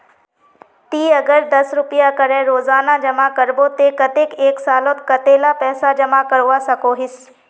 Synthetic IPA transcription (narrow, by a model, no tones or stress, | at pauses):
t̪iːɐɡəɾd̪ɐsɾʊpɪjakəɾɛ̃ɾoːzaːnad͡ʒɐmakɐɾbot̪ekɐt̪ekeːksaːlot̪kɐt̪eːlapɛːsad͡ʒɐmakɐɾuʋasɐkoɦɪs